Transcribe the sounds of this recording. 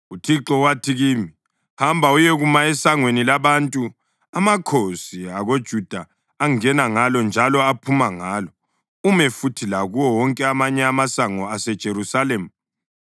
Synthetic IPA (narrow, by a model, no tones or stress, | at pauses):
utʰiǁɔwatʰiɣimi | hambʱaujɛɣumaɛsaŋwenilaβantʼu | amakʰosiaɣod̥ʒ̥ʱud̥ʱaː | ŋɛnaŋalɔnd͡ʒʱalɔapʰumaŋaːlɔ | umɛfutʰilaɣuwɔwɔŋkʼɛamaɲɛamasaŋɔasɛd̥ʒ̥ʱeɾusalemu